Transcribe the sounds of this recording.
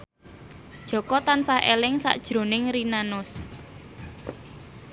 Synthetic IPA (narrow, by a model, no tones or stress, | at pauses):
d̥ʒ̥ɔ̤kɔt̪ansahḛlɪŋsa̰ʔd̥ʒ̥ɾo̤nɪŋɾinanʊs